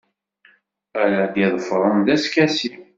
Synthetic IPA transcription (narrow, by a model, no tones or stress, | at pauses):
æɾæd̪iðˤfɾˤənðæskæsi